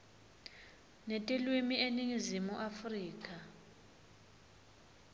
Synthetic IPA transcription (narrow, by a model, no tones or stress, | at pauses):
netʼilwimieniŋizimuʔafriːkʼa